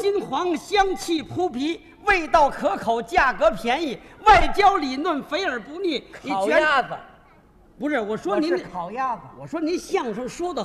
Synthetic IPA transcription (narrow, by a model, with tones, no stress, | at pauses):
t͡ɕi˥nxwɑ˧˥ŋɕjɑ˥ŋt͡ɕʰi˥˩pʰu˥pʰi˧˥ | we˥˧ɪt̪ɑ˥˩ʊkʰɤ˧˥kʰo˨˩ʊt͡ɕja˥˩kɤ˧˥pʰjɛ˧˥ni˨˩wa˥˩ɪt͡ɕjɑ˥ʊli˨˩lwə˥˩nfe˧˥ɪə˞˨˩pu˧˥ni˥˩ni˨˩˨t͡ɕa˥˩ə˧ | pu˧˥ʂɻ̩˥˩wɔ˨˩ʂwɔ˥ni˧˥n˨ʊja˥˩ə˧wɔ˨˩ʂwɔ˥ni˧˥nɕjɑ˥˩ŋʂʊ˥˩ŋʂwɔ˥d̪ə˨